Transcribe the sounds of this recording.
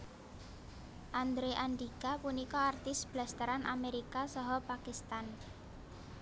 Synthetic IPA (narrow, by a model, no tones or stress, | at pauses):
ʔand̪ɾeʔand̪ikapunikɔart̪ɪsb̥last̪əɾanʔameɾikasɔɦɔpakist̪an